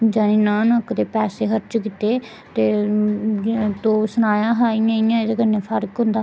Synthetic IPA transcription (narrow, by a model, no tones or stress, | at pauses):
d͡ʒaːnĩːnãːnəkd̪eːpɛːseːɦəɾt͡ʃkɪt̪eː | t̪eː | t̪oːsənaːjãːɦaːijãːijãːɪd̪eːkəneːpʰəɾkɦʊ̃nd̪aː